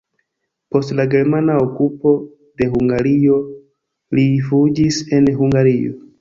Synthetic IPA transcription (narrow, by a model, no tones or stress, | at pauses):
po̞stlaɡe̞ɾmanaokupo̞ | de̞huŋɡaɾio̞ | lifud͡ʒise̞nɦuŋɡaɾio̞̰